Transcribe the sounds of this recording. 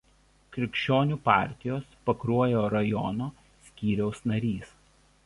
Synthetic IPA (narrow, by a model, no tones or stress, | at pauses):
kɾʲɪkʲʃʲt͡ʃʲoːnʲupɑˑɾʲt̪ʲɪjoːspɐkɾuɔjoːɾɐjɔnoː | sʲkʲiːɾʲɛʊsnɐɾʲiːs